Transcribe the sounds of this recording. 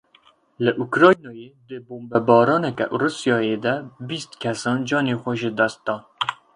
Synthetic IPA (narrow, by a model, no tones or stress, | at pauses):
ləʔukɾɑːjnɑːjeːd̪əboːmbɛbɑːɾɑːnɛkɛ̰ʔrusijɑːjed̪ɛbist̪kʰɛsɑːnd͡ʒɑːneːxʷɛʒəd̪ɛst̪̚d̪ɑːn